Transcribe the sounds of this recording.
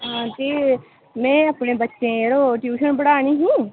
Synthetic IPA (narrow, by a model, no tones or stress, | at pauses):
ɦãːt̪eː | mɛ̃ːəpnẽːbətːʃẽːeːɾoːʈjuːʃənbəɽaːɳ̃iːɦũː